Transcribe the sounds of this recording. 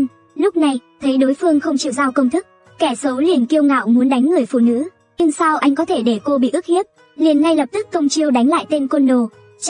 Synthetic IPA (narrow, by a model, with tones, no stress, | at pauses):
lʊ˦˥k͡p̚na˨˩jt̪ʰə˨˦jɗo˨˦jfɨ˧əŋxə˧wŋ͡mt͡ɕḭ˧˩əwzaː˧wkə˧wŋ͡mt̪ʰɨ˦˥k̚ | kɛ˧˩so˨˦li˨˩ənki˧əwŋa̰ː˧˨wmu˨˦nɗa˨˦jŋ̟ːɨ˨˩əjfṵ˧˨nɨ̰˧˥ | ɲɨ˧ŋsaː˧wʔa˧jŋ̟kɔ˨˦t̪ʰe˧˩ɗe˧˩ko˧ɓḭ˧˨ʔɨ˦˥k̚hi˦˥əp̚ | li˨˩ənːa˧jlə˨˩p̚t̪ɨ˦˥kːə˧wŋ͡mt͡ɕi˧əwɗa˨˦jŋ̟la̰ː˧˨jt̪e˧nkwə˧nɗo˨˩